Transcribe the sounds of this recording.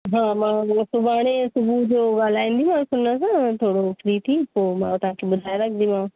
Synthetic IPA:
ɦãːmãːsʊbaːɽ̃esʊbʱud͡ʑoːɡaːl̤aːĩːnd̪imãːsʊnəs̬ãt̪ʰoːɽofʰɾit̪ʰiːpoːmãːt̪ɐɦãkʰeɓʊd̪ʱaːjɾɐkʰnd̪imãː

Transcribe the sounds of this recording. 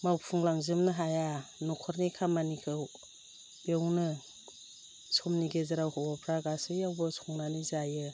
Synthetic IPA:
mawpʰuŋlaŋzɯmnɯɦajanɔkʰɔɾnikʰamanikʰɯw | bewnɯ | sɔmniɡezaɾawhɔwapʰɾaɡasɯjawbɔsʰɔŋnanizajɯ

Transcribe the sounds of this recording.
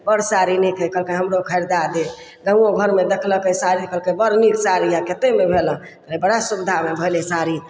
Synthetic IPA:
bəɾsaɾinikʰəkəlkəɦəmɾokʰəjɾd̪ad̪e | ɡə̃ũõɡʱəɾmed̪ekʰləkəsaɾikəlkebəɾnikʰsaɾiaket̪emebʱelə̃ | əebəɽasubid̪ʱamebʱəjlesaɾi

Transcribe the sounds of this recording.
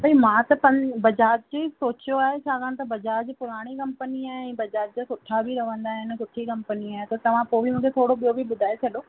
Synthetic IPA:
bɐimãːt̪ɐpɐ̃bɐd͡ʑaːd͡ʑ̚d͡ʑeːsoːt͡ɕjoaːɦet͡ɕʰaːɡaɽ̃t̪ɐbɐd͡ʑaːɾd͡ʑipʊɾaːɽ̃ikɐ̃mpəniaːɦɪɛ̃ːbɐd͡ʑaːɾ̚d͡ʑasʊʈʰabʱiɾɐʋə̃nd̪aːɦɪnɪ̆sʊʈʰikɐ̃mpəniaːɦɪt̪ɐt̪ɐʋ̤ãpoːbʱimũːkʰet̪ʰoːɽoɓijobʱiɓʊd̪ʱaːet͡ɕʰɐɗoː

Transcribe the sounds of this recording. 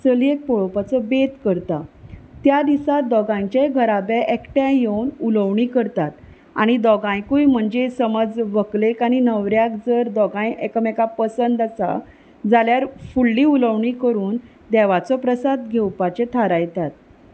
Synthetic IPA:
səliek̚pɔɭɔpat͡sɔbet̪kəɾt̪at̪jad̪isat̪̚d̪ɔɡãɲt͡ɕeɡʱəɾabeʔekʈjajewnuləʋɳiːkəɾt̪at̪̚ | a̰ɽ̃id̪ɔɡãjkujm̤əɳd͡ʑesəməd͡zʋəklekaɽ̃inəʋɾjakd͡zəɾd̪ɔɡãjekəmekapəsənd̪asa̰ | d͡zaljaɾfuɭːiːuləʋɳiːkəɾuːn | d̪ɛʋat͡sɔpɾəsad̪ɡʱewpat͡ɕet̪ʰaɾajt̪at̪̚

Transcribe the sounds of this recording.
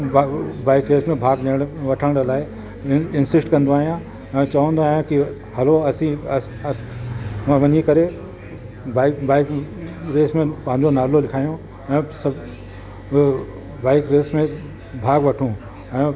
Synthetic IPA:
baːɪkɾeːsmẽbʱaːɡliɽ̃ʋɐʈʰəɽ̃ɽlaːɪ | ɪnsɪsʈkɐ̃nd̪oaːɦijã | ɛ̃ːt͡ɕɐʋə̃nd̪oaːjõki | hɐloɐsĩ | ãʋɐɲikɐɾe | baːɪkbaːɪkɾeːsmẽpɐ̃ɦɪ̃ɲd͡ʑonaːlolɪkʰaːijõ | ɛ̃ːsɐb | baːɪkɾeːsmẽ | bʱaːɡʋɐʈʰũː | ɛ̃ː

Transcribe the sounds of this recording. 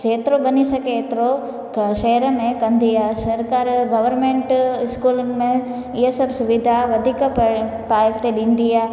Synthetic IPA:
t͡ʃeːt̪ɾobɐnisɐket̪ɾo | ʃɐɦɾəmẽkɐnd̪ʱijasɐɾkaːɾɡɐʋəɾmẽɳʈɪskuːlnmẽ | ɪjəsɐbsʊʋɪd̪ʱaʋɐd̪ʱik | paːjəkt̪eɗĩːnd̪ijaː

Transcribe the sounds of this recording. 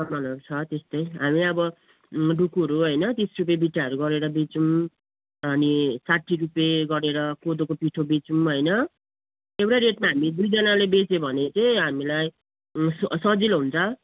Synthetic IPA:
sʌbʌnʌkt͡sʰʌt̪est̪ʌjɦamiʌbʌ | ɖukuʌɾuɦʌjnʌt̪isrup̬jebiʈːaʌɾuɡʌɾeɾʌbit͡sum | ʌnisaʈʰːiɾupjeɡʌɾeɾʌkod̪okopiʈʰobit͡sumɦʌjnʌ | ewɽaɾeʈmaɦamid̪ujd͡zʌnalebet͡sebʱʌnet͡saĩɦamilaj | ssʌd͡zilɦunt͡sʰʌ

